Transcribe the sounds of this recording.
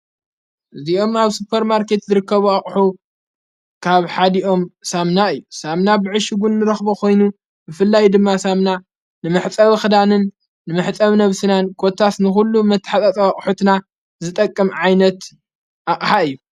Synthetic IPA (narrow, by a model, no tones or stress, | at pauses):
ʔɨziʔo̞maβsupʰɐɾmaɾkʰe̞t̪zɨɾɨkːɐβuaχʼħu | kʰaβħad̪iʔo̞msamnaɨjːusamnabɨʕɨʃɨɡunːɨɾɐxbokʰo̞jnu | bɨfɨlːajd̪ɨmːasamna | nɨmɨħt͡sʼɐβxɨd̪anɨnː | ɨmɨħt͡sʼɐβnɐβsɨnankʰot̪ʰːasnɨxulːumɐt̪ʰːħat̪ʼat͡sʼɐaχʼħut̪na | zɨt̪ʼɐkʼːɨmʕajnɐt̪ | ʔaχʼħaɨjːu